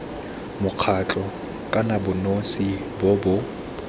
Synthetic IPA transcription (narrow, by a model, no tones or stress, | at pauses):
mʊq͡χʰat͡ɬʼɔ | kʼanabʊnosi | bobʊ